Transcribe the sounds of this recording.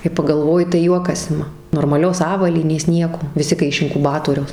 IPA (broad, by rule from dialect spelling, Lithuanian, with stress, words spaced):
kɐɪ pɐɡɐlˠˈʋoːjɪ tɐɪ ˈjuɔkɐs ˈɪmɐ noːrmɐˈlʲoːs ˈɑːʋɐlʲiːnʲeːs ˈnʲiɛkoː ʋʲɪˈsʲɪ kɐɪ ɪʃ ɪŋkʊˈbɑːtoːrʲɛʊs